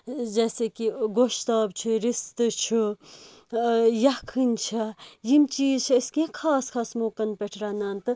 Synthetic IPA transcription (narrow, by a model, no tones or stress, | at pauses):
d͡ʒɛːsekiɡoʃt̪aːbt͡ʃʰuɾist̪t͡ʃʰu | jɐkʰɨnt͡ʃʰɐjimt͡ʃiːzt͡ʃʰiɐskiãkʰaːskʰaːsmoːkɐnpeʈʰɾaːnaːnt̪ɨ